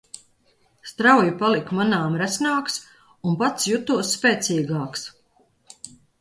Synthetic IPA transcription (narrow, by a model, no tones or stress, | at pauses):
st̪ɾawjipalˠikmanaːmɾæsnaːks | unpat̪sjut̪uɔsːpʲeːt̪siːɡaːks